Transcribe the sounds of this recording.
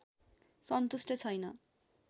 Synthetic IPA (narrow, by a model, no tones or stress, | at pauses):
sʌnt̪usʈet͡sʰʌjnʌ̰